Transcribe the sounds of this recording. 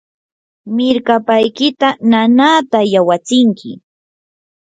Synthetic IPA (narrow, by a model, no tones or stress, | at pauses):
mɪɾkapajkɪt̪ananaːt̪ajawat͡sɪŋkʰɪ̰